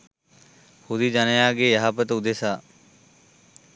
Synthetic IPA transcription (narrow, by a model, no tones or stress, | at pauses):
hud̪id͡ʒanejaːɡejɐɦapət̪ud̪esaː